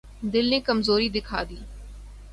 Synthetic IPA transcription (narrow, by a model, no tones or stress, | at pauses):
d̪ɪlnẽkəmzoːɾid̪ɪkʰa̰ːd̪iː